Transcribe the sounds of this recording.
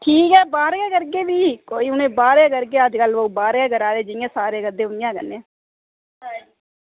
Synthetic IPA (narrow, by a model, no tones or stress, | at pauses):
ʈʰiːkɛːbaːɾaːkəɾkeːʋiːkoːiːʊnẽːbaːɾẽːkəɾkeːəd͡ʒkəlʋəuːbaːɾɛːkəɾaːɾeːd͡ʒɪɪjãːsaːɾeːkəd̪eːʊnɪjãːkə̰nːeãː